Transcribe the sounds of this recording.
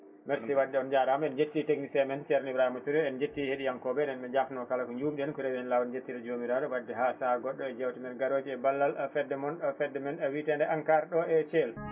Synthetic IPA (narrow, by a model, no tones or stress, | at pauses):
mɛɾsiwadːɛɔnd͡ʒaɾamɛnd͡ʒetːiteɡnisɛmɛnt͡ʃɛɾɛnibɾahimatuɾiɛnd͡ʒetːiheɗijankɔbɛɗɛnɓɛd͡ʒafnɔkalakɔɲd͡ʒuːmɗiɛnkuɾɛwiɛnlawɔnd͡ʒetːidɛd͡ʒomiɾaɗɔwadːɛɦasaɡɔɗːɔɛd͡ʒɛwtimɛɾɡaɾoːd͡ʒiɛbalːalafɛdːɛmɔnɗɔfɛdːɛmɛnɛwitɛndɛʔaŋkaɾɗɔɛt͡ʃɛl